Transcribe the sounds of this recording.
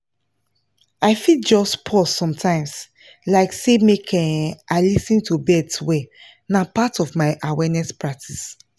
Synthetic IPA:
aɪfid͡ʒɔstpʰɔsɔ̃mtʰãɪ̃ms | laɪksemekʰɛ̃naɪlisĩntʰubɛdswɛ | napatɔvmaɪʔawɛnɛspɹak̚tʰis

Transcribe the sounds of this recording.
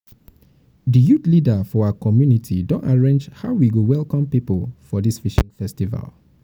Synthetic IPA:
dəjutlidafɔaakɔmjunitʰidõntaɹẽnd͡ʒhaʊwiɡuwɛlˠkɔ̃mpipəlfɔdisfiʃĩŋfɛstiva̰lˠ

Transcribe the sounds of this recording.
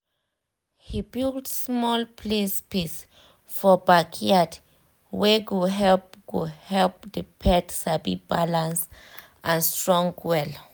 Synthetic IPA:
hibidsmɔlpʰlespis | fɔbakʰiad | weɡuɦɛlp̚ɡ̥uhɛlp̚dəpʰɛtsabḭbalãns | ʔãnstɹɔ̃ŋɡwɛl

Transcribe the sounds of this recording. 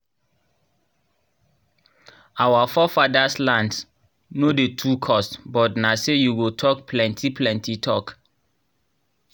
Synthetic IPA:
awafɔfadaslãnds | nodetʰukʰɔstbɔtnasejuɡotʰɔkpʰlɛ̃ntʰiplɛ̃ntitʰɔk

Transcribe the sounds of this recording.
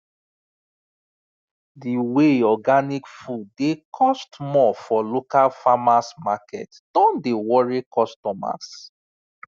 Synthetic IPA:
diweɔɡanikfudːekʰɔstmɔfɔlokalfamasmakɛ̰t | d̥ɔ̃ndewɔɹikɔstɔma̰s

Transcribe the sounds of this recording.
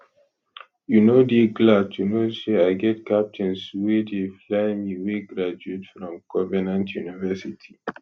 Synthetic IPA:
junodeɡlatʰunoseaɪɡɛtkap̚tʰɛ̃nswɛdeflaɪmiweɡɾad͡ʒuetfɹɔ̃mɡ̥ɔvɛnãntʰjunivɛsitʰi

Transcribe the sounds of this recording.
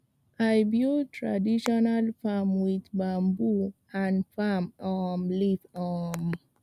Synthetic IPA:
ʔajbjutʰɹa̰diʃɔnalfamwid̪bambu | ãnfamɔmlifɔm

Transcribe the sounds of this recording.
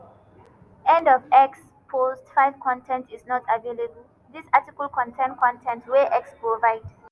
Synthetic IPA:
ɛ̃ndɔvɛks | pʰostfaɪv̥kʰɔ̃ntʰɛ̃ntisnɔtʰavelebəl̩ | ðisatikəlkʰɔ̃ntʰɛ̃nkʰɔ̃ntʰɛ̃ntwɛʔɛkspɹovaɪd

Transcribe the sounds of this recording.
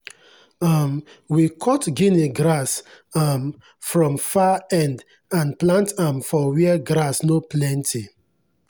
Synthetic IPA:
amwikʰɔtɡineɡɾas | am | fɹɔ̃mfaɛ̃nd | ãnplãntamfɔwiɛɡɾasnoplɛ̃ntʰi

